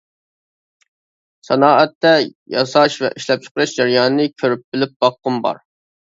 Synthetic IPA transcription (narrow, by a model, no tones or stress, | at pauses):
sɛnɑːʔɛt̪ːɛjɑsɑʃvɛ̰ʔiʃlɛp̚t͡ʃʰʊ̥qɨɾɨʃd͡ʒɛɾjɑːnɨnɨkʲʰøɾyp̚bɪlɪp̚b̥ɑqːʊmbɑ̰ɾ